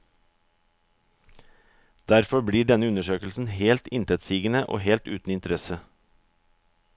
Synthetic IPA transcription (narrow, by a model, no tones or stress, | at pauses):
d̪̥æɾfɔbɽiːɖɛnəʉnəʃøːkl̩sn̩heːlt̪ɪnt̪ʰɛt̪siːɡən̩əʔo̰ːheːlt̪ʉ̰ːt̪n̩ɪnt̪əɾɛsə